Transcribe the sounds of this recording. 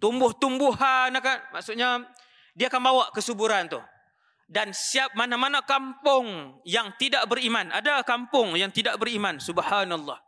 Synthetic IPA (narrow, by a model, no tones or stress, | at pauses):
t̪umbʊht̪umbʊhanakanmaʔsʊʔɲa | diaːkanbawaʔkəsubuɾant̪ʊh | dansiap̚manamanakampʊŋjaŋt̪idaʔbəɾimana̰dakampʊŋjaŋt̪idaʔbəɾimansubhanalːɑh